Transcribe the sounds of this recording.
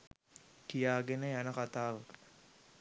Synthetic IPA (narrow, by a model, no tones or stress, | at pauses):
kijaːɡenəjanəkat̪aːʋə